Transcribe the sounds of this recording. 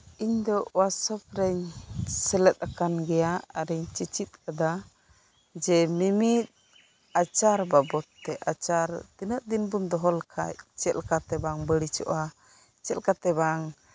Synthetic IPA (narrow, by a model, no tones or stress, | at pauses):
iɲd̪ɔʔwasɔp̚ɾɛɲsɛlɛt̪̚akanɡɛjaaɾɛɲt͡ʃit͡ʃit̪̚k̚ad̪a | d͡ʒɛmimit̪̚ | at͡ʃaɾbabɔt̪ːɛʔat͡ʃaɾt̪inəʔ̪̚d̪inbund̪ɔɦɔlkʰa̰c̚t͡ʃɛlkat̪ɛbaŋbəɽit͡ʃɔ̰ʔa | t͡ʃɛlkat̪ɛbaŋ